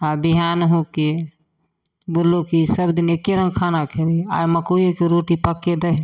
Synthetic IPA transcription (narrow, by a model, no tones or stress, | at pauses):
abiɦanɦũke | bollːokisəbd̪inekːeɾə̃ŋɡkʰanakʰebia̰jməkojokeɾoʈipəkːed̪əɦ